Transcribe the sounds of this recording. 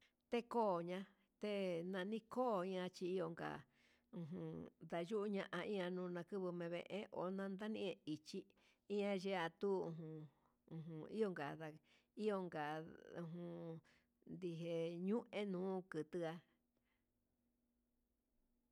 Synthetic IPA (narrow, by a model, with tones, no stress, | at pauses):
t̪e˦koː˦˨ɲã˧ | t̪e˦nã˧nĩ˦koː˦˨ĩ˦ã˧t͡ʃi˧i˦jo˧ŋɡa̰˨ | ũ˧ɦũ˧d̪a˧ʒu˦ʔu˦ɲã˧ʔã˧ʔĩ˦ã˧nũː˧nã˧kɨ˦βɨ˧mẽ˧βḛ̃˧˨ʔḛ̃˦ʔo̰˨nã˧nd̪a˦nĩ˦ʔẽ˧i˨t͡ʃi˦ | ĩ˦ã˧ʒe˦a˧t̪u˦ṵ̃˧ɦũ˧ | ũ˨ɦũ˧ḭ˦o˧ŋɡa˨ða˧ | i˦jo˧ŋɡa˨ũ˧˨ɦũ˧ | nd̪i˧ɦe˧˨ɲũ˦ʔẽ˦nũː˨˦kɨ˨t̪ɨ˧a˧